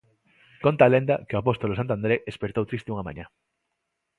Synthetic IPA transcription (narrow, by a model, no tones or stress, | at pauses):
kont̪alẽnd̪akeoapost̪olosant̪ãnd̪ɾeespeɾt̪owt̪ɾist̪euŋamã̰ɲa